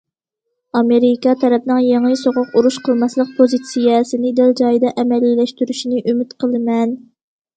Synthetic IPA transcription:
ɑmeɾikɑt̪ʰɛɾɛpnɪŋjeŋəsoʁʊquɾuʃqʰəlˠmɑslˠəq̚pʰozit̪sijɛsɪnɪd̪ɪld͡ʒɑjd̪ɑʔɛmɛlilɛʃt̪yɾyʃinɪʔymɪt̪qʰəlˠɨmɛn

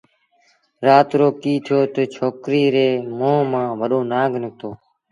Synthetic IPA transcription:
ɾaːt̪ɾoːkiːt̪ʰjoːt̪ət͡ʃʰoːkɾiːɾeːmõːmãːʋəɗõːnaːɡʱnɪk̚t̪oː

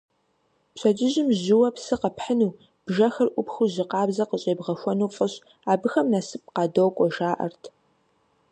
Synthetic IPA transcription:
pɕʼɐd͡ʒɪʑɪmʑɪwɐpsɨqɐpħənuː | b̥ʒɐxɐrʔʷʊpxuʑɪqɑːbzɐqəɕʼeːbʁɐxʷɔnuːfʼɨɕʼ | aːbɨxɐmnasɨp̚qɑːdɐwkʷʼɔʒaːʔɐ̰rtʰ

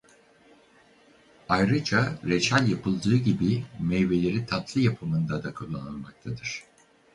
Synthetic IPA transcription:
ajɾɯd͡ʒaɾet͡ʃʰælʲjapʰɯlˠd̪ɯːɟibimɛjve̞lʲe̞ɾit̪ʰat̪ʰlˠɯjapʰɯmɯnd̪ad̪akʰulˠːanɯlˠmak̚t̪ʰad̪ɯɾ̥

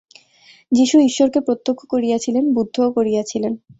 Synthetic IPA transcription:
d͡ʑiʃuiʃːoɾkepɾot̪ːokʰːokoɾijat͡ɕʰilenbud̪ʱːokoɾijat͡ɕʰilen

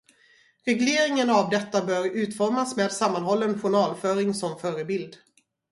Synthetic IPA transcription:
ɾɛɡleːɾɪŋənavd̪ɛt̪ːabœːɾʉ̟ːt̪fɔɾmasmeːd̪samːanɦɔlːənɧʊɳɑːlfœːɾɪŋsɔmfœːɾəbɪld̪

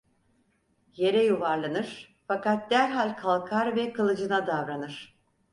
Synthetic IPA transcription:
je̞ɾɛjuvaɾlˠanɯɾ̥ | fakat̪̚d̪æɾɦalʲkʰalˠkʰaɾvɛkʰalˠɯd͡ʒɯnad̪avɾanɯɾ̥

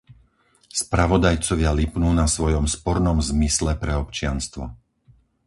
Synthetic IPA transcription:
spɾaʋɔd̪ajt͡sɔʋɪalipnuːnasʋɔjɔmspɔɾnɔmzmislɛpɾɛɔpt͡ʃɪanst̪ʋɔ̰

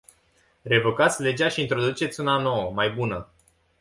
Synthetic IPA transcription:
re̞vo̞kat̪sʲle̞d͡ʒaʃiːnt̪ɾo̞d̪ut͡ʃe̞t̪sʲunano̞wəmajbunə

